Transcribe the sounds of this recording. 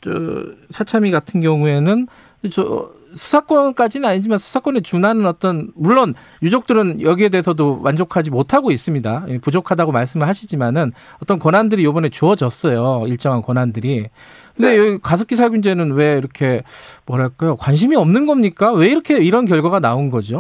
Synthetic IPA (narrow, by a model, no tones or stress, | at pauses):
t͡ɕʌ̰sʰat͡ɕʰamiɡatʰɯnɡjʌŋue̞nɯn | t͡ɕʌ | sʰu̥sʰak͈wʌnk͈ad͡ʑinɯnaɲid͡ʑimansʰu̥sʰak͈ʌne̞t͡ɕunanɯnʌt͈ʌnmuɭːon | jud͡ʑok̚t͈ɯɾɯnjʌɡie̞de̞esʰʌdowand͡ʑokʰad͡ʑimotʰaɡois͈ɯmɲidaipud͡ʑokʰadaɡomaɭs̬͈ɯmɯɭɦhaɕʰid͡ʑimanɯn | ʌt͈ʌnkwʌnandɯɾijobʌne̞t͡ɕuʌd͡ʑʌs͈ʌjoiɭt͡ɕ͈ʌŋɦankwʌnandɯɾi | kʰɯnde̞jkasʰʌk͈isʰaɭɡuind͡ʑenɯnwe̞iɾʌkʰe̞mwʌɾaɭk͈ajokwanɕ̬ʰimiʌmnɯnɡʌmɲik͈awe̞iɾʌkʰe̞iɾʌnkjʌɭɡwaɡanaonɡʌd͡ʑio